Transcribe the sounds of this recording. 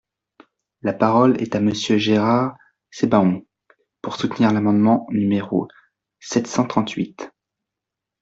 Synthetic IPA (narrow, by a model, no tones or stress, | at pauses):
lapaʁɔlɛ̰t̪aməsjøʒeʁaʁ | sebaɔ̃ | puʁsut̪niʁlamɑ̃d̪mɑ̃nymeʁo̰ | sɛt̪sɑ̃t̪χɑ̃t̪ɥit̪